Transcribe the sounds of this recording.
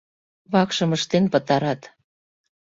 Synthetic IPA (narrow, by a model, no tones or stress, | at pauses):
βɑkʃɤ̆məʃt̪enpə̆t̪ɑɾɑt̪